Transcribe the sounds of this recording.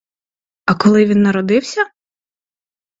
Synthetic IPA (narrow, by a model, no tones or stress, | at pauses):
ɐkɔlˠɪʋʲinːɐɾɔd̪ɪwsʲɐ